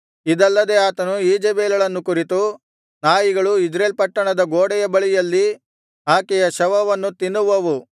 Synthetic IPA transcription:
id̪ɐlːɐd̪eaːt̪ɐnuiːd͡ʒebeːlɐɭɐnːukuɾit̪u | naːjiɡɐɭuid͡ʒɾeːlpɐʈːɐɳɐd̪ɐɡoːɽɛjɐbɐɭijɐlːi | ɦaːkɛjɐʃɐʋɐʋɐnːut̪inːuʋɐʋu

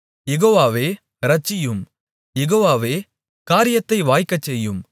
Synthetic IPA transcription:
jɛɣoːʋaːʋeː | ɾɐt͡ʃːɪjɯm | jɛɣoːʋaːʋeː | kaːɾɪjɐt̪ːɐɪʋaːjkːɐt͡ʃːɛjːɯm

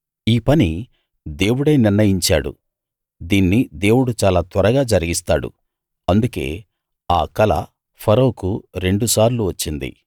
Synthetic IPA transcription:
iːpɐni | d̪e̞ːwuɽɐjniɾnɐjiɲt͡ʃaːɽṵ | d̪iːnːid̪e̞ːwuɽut͡ʃaːlaːt̪ʋɐɾɐɡaːd͡ʒɐɾiɡist̪a̰ːɽṵ | ɐnd̪uke̞̰ː | aːkɐlɐ̰ | pʰɐɾowkuɾe̞ɳɖusaːɾluʋɐt͡ʃːind̪ḭ

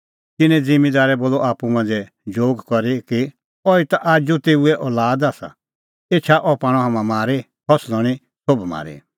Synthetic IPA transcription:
t̪ɪnɛ̃d͡zɪmid̪aːɾɛboːlɔʔaːpumãnd͡zɛ | d͡ʒoːɡkɔɾiki | ɔit̪aʔaːd͡ʒut̪eːuɛʔɔːlaːd̪aːsa̰ | eːt͡ʃʰaʔɔpãːɽ̃ɔ̃ɦamãmaːɾi | hɔslɔɽ̃i | sobma̰ːɾḭ

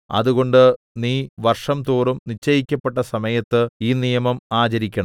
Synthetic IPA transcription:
ɐ̰ðuɣo̞ɳɖɨ | niːʋɐrʂɐmt̪uːrumnit͡ɕːɐjikʲːɐpːe̞ʈːɐsɐmɐjɐt̪ːɨiːnijɐmɐmaːt͡ɕɐɾikʲːɐɳɐm

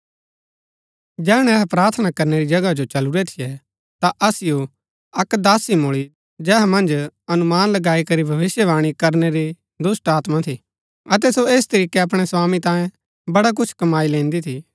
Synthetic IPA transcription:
d͡ʒɛːɽ̃ɛɛɦpɾaːɾt̪ʰənakɐɾneɾid͡ʒɐɡad͡ʒot͡ʃɐluɾɛt̪ʰijɛ | t̪aʔɐsɪjo | ɐkd̪aːsimʊɭi | d͡ʒɛːɦɛmɐ̃nd͡ʒɐnʊmaːnlɐɡaːikɐɾibʱɐʋɪsjəʋaːɽ̃ikɐɾneɾi | d̪ʊsʈaːt̪mãt̪ʰi | ɐt̪ɛsoeːst̪ɐɾiːkeɐp̬ɽ̃ɛswaːmit̪ãːjẽ | bɐɽak̬ʊt͡ʃʰkɐmaːilẽːnd̪it̪ʰi

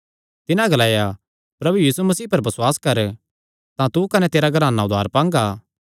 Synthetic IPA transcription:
t̪ɪnãɡɐlaːja | pɾɐbujiːsumɐsiːpɐɾbɐswaːskɐɾ | t̪ãt̪ukɐnɛt̪eːɾaɡʱɐɾaːnaʊd̪ʱaːɾpãːŋɡaː

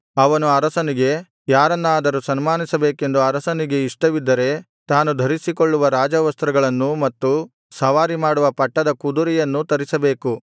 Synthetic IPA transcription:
ɐʋɐnuɐɾɐsɐniɡe̞ | jaːɾɐnːaːd̪ɐɾusɐnmaːnisɐbe̞ːke̞nd̪uɐɾɐsɐniɡe̞iʂʈɐʋid̪ːɐɾe̞ | t̪aːnud̪ʱɐɾisikoɭːuʋɐɾaːd͡ʒɐʋɐst̪ɾɐɡɐɭɐnːumɐt̪ːu | sɐʋaːɾimaːɽuʋɐpɐʈːɐd̪ɐkud̪uɾijɐnːut̪ɐɾisɐbe̞ːku

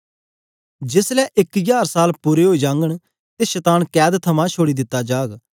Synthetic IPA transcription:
d͡ʒɪslɛːʔɪkjaːɾsaːlpuːɾeɦoːid͡ʒãːŋɡəɽ̃ | t̪eːʃɛt̪aːnkɛːd̪t̪ʰəmãːt͡ʃʰoːɽiːd̪ɪt̪ːad͡ʒaːɡ

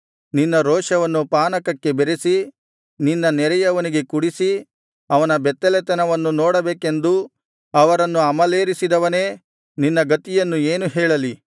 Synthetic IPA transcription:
ninːɐɾɔːʂɐʋɐnːupaːnɐkɐkːe̞beɾesi | ninːɐnɛɾɛjɐʋɐniɡe̞kuɽisi | ɐʋɐnɐbɛt̪ːɛlɛt̪ɐnɐʋɐnːunoːɽɐbeːkend̪u | ɐʋɐɾɐnːuɐmɐleːɾisid̪ɐʋɐne̞ː | ninːɐɡɐt̪ijɐnːueːnuɦɛːɭɐli

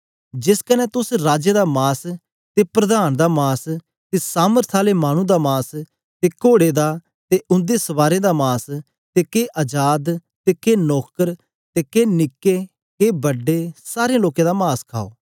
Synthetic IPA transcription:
d͡ʒɪskənɛːt̪ʊsɾaːd͡ʒeːd̪aːmaːs | t̪eːpɾəd̪aːnd̪aːmaːs | t̪eːsaːməɾt̪ʰaːleːmaːɽ̃ũːd̪aːmaːs | t̪eːkoːɽeːd̪aː | t̪eʔʊ̃nd̪eːsəʋaːɾẽːd̪aːmaːs | t̪eːkeːʔaːd͡ʒaːd̪ | t̪eːkeːnɔːkəɾ | t̪eːkeːnɪkːeː | keːbəɖːeːsaːɾeẽloːkẽːd̪aːmaːskʰa̰ːo̰ː

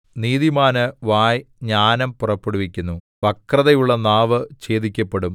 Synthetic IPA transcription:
niːðimaːnɨʋaːjɲaːnɐmpurɐpːuɽuʋikʲːunːu | ʋɐkrɐðɐjuɭːɐnaːʋɨt͡ɕe̞ːðikʲːɐpːeɽum

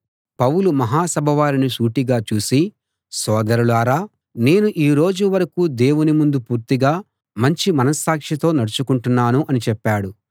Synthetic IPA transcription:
pɐwulumɐɦaːsɐbʱɐʋaːɾinisuːʈiɡaːt͡ʃuːsi | sɔːd̪ɐɾuluaːɾaː | ne̞ːnuʔiːɾo̞ːd͡ʒuʋɐɾɐkuːd̪e̞ːwunimund̪upuːɾt̪iɡaː | mɐɲt͡ʃimɐnɐsaːkʂit̪o̞ːnɐɽɐt͡ʃukuɳʈunːaːnuʔɐnit͡ʃɛpːaːɽu

